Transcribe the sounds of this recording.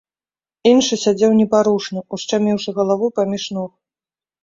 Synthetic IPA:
inʂɨsʲad͡zʲɛwnʲɛpaɾuʂnɐust͡ʂamʲiwʂɐɣɐlˠavupamʲiʂnɔx

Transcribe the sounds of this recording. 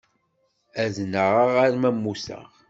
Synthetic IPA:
æznəʁaʁaɾmæmːusə̰ʁ

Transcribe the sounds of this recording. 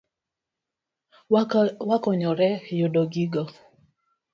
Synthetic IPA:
wakɔɲɔɾɛjodoɡiɡɔ

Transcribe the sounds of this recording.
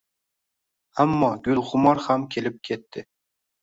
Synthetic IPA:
amːɒɡʲʊlˠʁʊmɒɾhamkʲʰe̞lɪp̚kʲʰe̞t̪ʰːɪ

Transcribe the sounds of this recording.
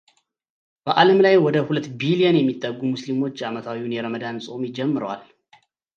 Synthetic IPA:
b̥əʔaləmlajwɔd̪əhulət̪ːbiliənjɛmːit̪ʼːəɡːumuslimo̞t͡ʃːamət̪ʰawiunjɛɾəməd̪ansʼo̞mɪd͡ʒɛmːɨɾəwa̰l

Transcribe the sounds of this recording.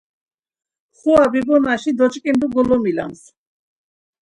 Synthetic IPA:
χuabibɔnaʃid̪ɔt͡ʃʼkʼind̪uɡɔlɔmila̰ns

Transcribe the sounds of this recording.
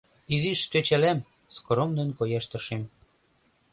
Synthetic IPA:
iziʃt̪øt͡ɕælæm | skromd̪enkojɑʃt̪ɤ̆ʃem

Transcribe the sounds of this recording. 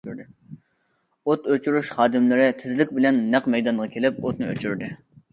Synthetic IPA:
ɾd̪ɪ | ot̪øt͡ʃʰuɾuʃχɑːd̪ɪmlɪɾɪt̪ʰɪzɪlɪkʲbɪlɛnːæqmɛjd̪ɑnʁɑkʲʰelɪp̚ot̪̚nɨø̰t͡ʃʰyɾd̪ɪ

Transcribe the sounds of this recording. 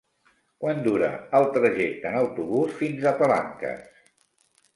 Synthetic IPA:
kwand̪uɾə̰əlˠt̪ɾəʒɛk̚t̪ənəwt̪uβusfinzətəla̰ŋkə̰s

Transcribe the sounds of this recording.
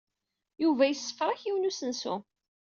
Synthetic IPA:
juvæjəsːə̥fɾˤɑçiwnusənsʊ̰

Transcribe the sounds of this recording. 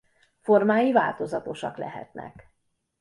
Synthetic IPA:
fo̞rmaːjiva̰ːlt̪o̞zɒt̪o̞ʃɒklɛ̰ɦɛ̰t̪nɛ̰k

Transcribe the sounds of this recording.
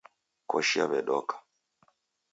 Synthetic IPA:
kɔʃia̰βɛɗɔkʰḁ

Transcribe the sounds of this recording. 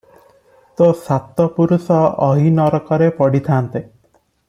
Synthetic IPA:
t̪osat̪ɔpuɾusɔɔɦinɔɾɔkɔɾepɔɽit̪ʰaːnt̪e

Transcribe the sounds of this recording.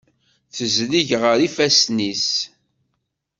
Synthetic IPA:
θəzliʝʁəɾifæsnis

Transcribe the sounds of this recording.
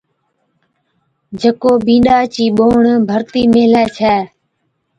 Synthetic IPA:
d͡ʒəkoːbĩːɗaːt͡ʃiːɓoːɳbʱəɾt̪iːmeːlɛːt͡ʃʰɛː

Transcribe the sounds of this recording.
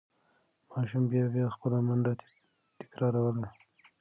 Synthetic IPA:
mɑʃumbjɑbjɑxpəlamand̪a | t̪ɪ̥kɾɑɾawəla

